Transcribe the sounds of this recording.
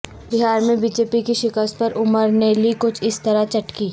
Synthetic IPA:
bɪɦaːɾmẽbiːd͡ʒeːpikiʃɪkəs̚pɐɾʊməɾnelikʊt͡ʃʰɪst̪ɐɾat͡ʃɐʈkiː

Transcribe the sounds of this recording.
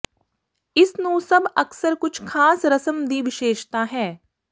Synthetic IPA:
ɪsnũːsɐbɐksəɾkʊt͡ʃʰkʰaːsɾɐsəmd̪iːʋɪʃeːʃt̪aɦɛː

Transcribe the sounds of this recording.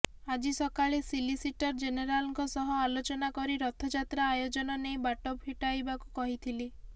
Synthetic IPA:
ad͡ʒisɔkaɭesilisiʈɔɾd͡ʒeneɾalɔŋkɔsɔɦɔalot͡ʃɔnakɔɾiɾɔt̪ʰɔd͡ʒat̪ɾaːjod͡ʒɔnɔnejbaʈɔbhiʈajbakukɔɦit̪ʰili

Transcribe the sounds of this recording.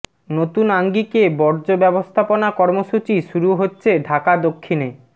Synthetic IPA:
not̪unaŋɡikebɔɾd͡ʑobɛbost̪ʰaponakɔɾmoʃut͡ɕiʃuɾuɦotːɕʰeɖʱakad̪okʰːine

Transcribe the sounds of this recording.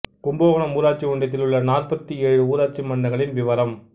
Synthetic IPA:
kʊmboːɣɐɳɐmuːɾaːʈ̚t͡ʃiʋʊɳɖɐt̪̬ːɪlʊɭːɐnaːrpɐt̪ːieːɻɯuːɾaːt͡ʃːimɐɳːɐɣɐɭɪnʋɪʋɐɾɐm

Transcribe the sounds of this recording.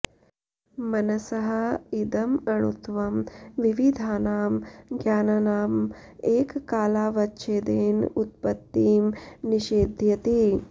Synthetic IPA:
mɐnɐsɐɦɐ̆id̪ɐmɐɳut̪ʋɐmʋiʋid̪ʱaːnaːmɡjaːnɐnaːmeːkkaːlaːʋɐtːʃeːd̪eːnut̪̚pɐt̪ːiːmniʃeːd̪ʱjɐt̪i

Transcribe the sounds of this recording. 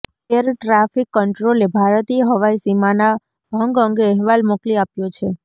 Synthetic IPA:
keɾʈɾafikːəɳʈɾolebʱaɾət̪iɦəʋaisimana | bʱəŋɡəŋɡeɛɦʋalmokliapjot͡ʃʰe

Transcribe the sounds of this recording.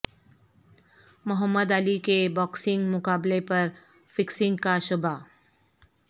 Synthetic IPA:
mʊɦəmːəd̪əlikebɔːksɪ̃ŋɡmʊkaːblepɐɾ | fɪksɪ̃ŋɡkaʃʊba

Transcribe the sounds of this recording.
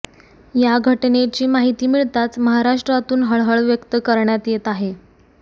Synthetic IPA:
jaɡʱəʈnet͡ɕiːmaɦit̪iːmiɭt̪at͡sməɦaɾaʂʈɾat̪uːnɦəɭɦəɭʋjəkt̪əkəɾɳjat̪jet̪aɦe

